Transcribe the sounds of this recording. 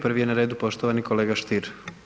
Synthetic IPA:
pɾ̩ʋijenaɾe̞ːd̪upo̞ʃt̪oʋanikoleːɡaʃt̪iɾ

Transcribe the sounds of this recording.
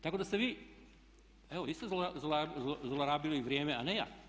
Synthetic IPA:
t̪akod̪ast̪eʋiː | eʋoist̪ozlzolazolaɾaːbiloiʋɾʲjeːmeaneja̰

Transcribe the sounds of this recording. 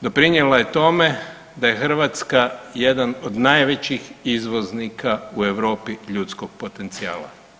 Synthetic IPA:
d̪o̞pɾiɲjelaje̞t̪o̞me̞ | d̪aje̞xr̩ʋat̪skaje̞d̪anod̪najʋe̞t͡ɕixizʋo̞znikʰaue̞ʋɾo̞ːpiʎut̪sko̞ɡ̚po̞t̪e̞nt̪sia̰ːla̰

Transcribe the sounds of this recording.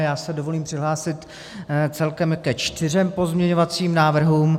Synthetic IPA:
jaːsɛdo̞vo̞liːmpr̝̥ɪɦlaːsɪt̪ | t͡sɛlkɛmkɛt͡ʃt̪ɪr̝ɛmpo̞zmɲɛɲo̞vat͡siːmnaːvr̩ɦuːm

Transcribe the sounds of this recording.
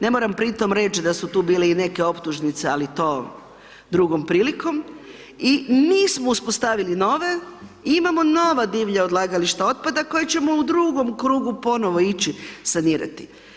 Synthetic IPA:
ne̞moɾampɾit̪o̞mɾe̞t͡ʃid̪asut̪uːbiːleine̞keo̞pt̪uʒnit̪se̞alit̪om | d̪ɾuɡo̞mpɾiːliko̞m | iniːsmouspost̪aʋilino̞ʋe̞imamono̞ʋad̪iːʋʎaod̪lˠaɡaliʃt̪ao̞t̪̚pad̪ako̞jet͡ɕe̞mo̞ud̪ɾuːɡo̞mkɾuːɡupo̞no̞ʋo̞it͡ɕisaniːɾa̰t̪i̥

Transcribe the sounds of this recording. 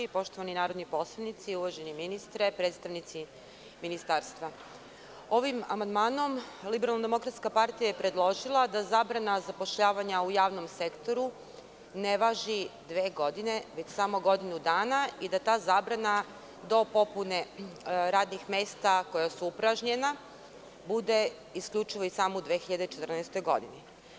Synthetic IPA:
ipo̞ʃt̪o̞ʋaninaːɾo̞d̪nipo̞slˠanit̪siuʋaʒeniminist̪ɾepɾeːt̪st̪aʋnit̪si | minist̪aːɾst̪ʋa | o̞ʋima̰mand̪maːno̞mlibeɾalˠnad̪e̞mo̞kɾat̪skapaɾt̪ijajepɾe̞d̪lˠo̞ʒilˠad̪azaːbɾanazapo̞ʃʎaːʋaɲaujaːʋno̞mse̞kt̪o̞ɾu | ne̞ʋaʒid̪ʋeːɡo̞d̪ine̞ʋe̞t͡ɕsamo̞ɡo̞d̪inud̪aːnaid̪at̪aːzaːbɾana | d̪o̞po̞puneɾaːd̪nixme̞ːst̪ako̞jasuupɾaʒɲe̞na | bud̪e̞ | iskʎʲut͡ʃiʋo̞isamoud̪ʋeːxiʎad̪et͡ʃet̪r̩nɛɛst̪o̞jɡo̞̰d̪ini

